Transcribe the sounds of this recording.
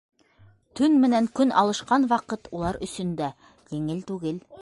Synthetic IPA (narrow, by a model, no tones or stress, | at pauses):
t̪ʰɵnmɘ̆næŋkɵnɑ̰lˠɤ̆ʃqɑnwɑqɤt̪ulˠɑɾɵ̆sɵ̆nd̪æ | jɘ̆ŋɘlt̪ʉɡɘl